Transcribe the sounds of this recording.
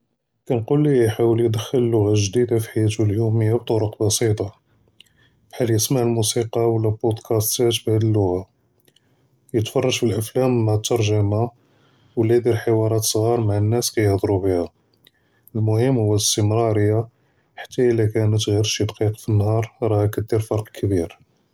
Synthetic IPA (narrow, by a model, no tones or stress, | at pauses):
kænqulːikjħawəljəd̪əxːələlːʊɣaʒd̪id̪afiħajːæt̪uljuməjːabt̪ˤoɾoqbɑsit̪ˤɑ | bħalːjəsmaʕəlmusiqɑwlːælbod̪kʰæst̪æt̪bhæd̪əlːʊɣa | jət̪fɑrˤːɑʒfəlʔəflæmmʕt̪ːɑɾˤʒəma | wlːæd̪iɾħəwɑɾˤɑt̪sˤɣɑɾˤmaʕənːæskæjəhd̪ˤɾubihæ | lmʊhəmːhʊwːæəst̪əmɾˤɑɾəjːa | ħḁt̪ːæʔəlːækænət̪ɣiɾʃid̪qiqfinːhɑɾˤɾˤɑhækæd̪ːiɾfɑɾˤqkʰəbiɾ